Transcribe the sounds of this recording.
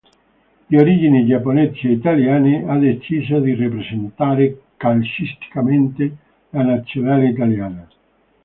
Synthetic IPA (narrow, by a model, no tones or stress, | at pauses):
ioɾid͡ʒinid͡ʒapːoneseit̪aljaːnead̪et͡ʃiːzod̪irepɾesent̪aːɾekalsist̪i̥kament̪e | lanat̪sːjonaːleit̪̬aljaːna